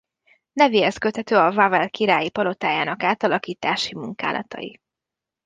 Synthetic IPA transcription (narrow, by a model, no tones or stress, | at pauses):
nɛviɛskøt̪hɛt̪øːɒvavɛlkiɾaːjipɒlo̞t̪aːjaːnɒkaːt̪ɒlɒkiːt̪aːʃimuŋka̰ːlʔɒ̰t̪ɒ̰jḭ